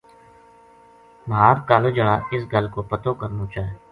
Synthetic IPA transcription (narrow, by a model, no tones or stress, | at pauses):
mɦaːɾkaːlod͡ʒəɽaːʔɪs̬ɡəlkoːpət̪oːkəɾnõːt͡ʃaːeː